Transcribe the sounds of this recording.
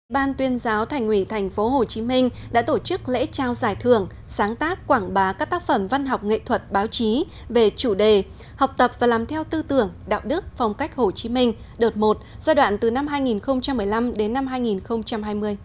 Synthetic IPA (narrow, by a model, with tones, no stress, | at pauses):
ʔʔḭ˧˨ɓaː˧nt̪wi˨˧ənzaː˨˦wt̪ʰɛ˨˩jŋ̟hwi˧˩t̪ʰɛ˨˩jŋ̟fo˨˦ɦo˨˩t͡ɕi˨˦mï˧ŋ̟ɗa̰ː˧˥t̪o˧˩t͡ɕɨ˦˥k̚lḛ˧˥t͡ɕaː˧˩wzaː˧˩jt̪ʰɨ˧˩əŋ | saː˨˦ŋt̪aː˦˥kkwaː˧˩ŋɓaː˨˦kaː˦˥k̚t̪aː˦˥k̚fə˧˩mva˧nɦa˨˩wk͡p̚ŋḛ˧˨t̪ʰwə˨˩t̚ɓaː˨˦wt͡ɕi˨˦ | ve˨˩t͡ɕu˧˩ɗe˨˩ | ha˨˩wk͡p̚t̪ə˨˩p̚vaː˨˩laː˨˩mt̪ʰɛ˧wt̪ɨ˧t̪ɨ˧˩əŋɗa̰ː˧˨wɗɨ˦˥ək̚fa˧wŋ͡mka˦˥jk̟̚ho˨˩t͡ɕi˨˦mï˧ŋ̟ | ɗo˨˩t̚mo˨˩t̚zaː˧ɗwa̰ː˧˨nt̪ɨ˨˩na˧mɦaː˧jŋi˨˩nxə˧wŋ͡mt͡ɕa˧mːɨ˨˩əjla˧mɗe˨˦nːa˧mɦaː˧jŋi˨˩nxə˧wŋ͡mt͡ɕa˧mɦaː˧jmɨ˧əj